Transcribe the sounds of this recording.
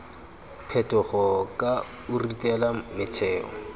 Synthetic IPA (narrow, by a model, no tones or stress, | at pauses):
pʰɛtʼʊχɔkʼa | ʊritʼɛlamɪt͡ʃʰɛːɔ̰